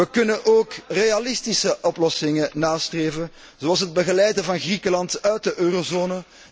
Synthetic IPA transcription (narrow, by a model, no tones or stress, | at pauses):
əkɵnənʔoːkrealɪstisəʔɔplɔsɪŋənaːstreːvən | zoɑlˠs̬ɦəd̚bəɣəlɛjdəvɑnɣrikəlɑntœɥt̚dəʔøːrozoːnə